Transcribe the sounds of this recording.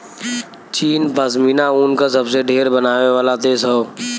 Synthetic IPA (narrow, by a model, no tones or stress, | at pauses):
t͡ʃiːnpəsminauːnkas̬əbseɖʱeːɾbənaːʋeʋaːlat̪eːzɦɛoː